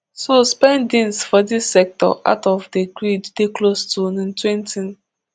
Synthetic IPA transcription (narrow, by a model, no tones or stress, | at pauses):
sospɛ̃ndĩnsfɔdisːɛk̚tɔ̰ʔa̰ʊtɔvdeɡɹid͡ʒdeklostunĩntwɛ̃ntĩn